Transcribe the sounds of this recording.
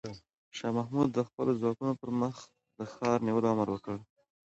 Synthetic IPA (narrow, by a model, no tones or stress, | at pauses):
ʃɑmahmud̪̚ːəxpəlozwɑkunopəɾməx | d̪əxɑɾniwəloaməɾwəkəɽ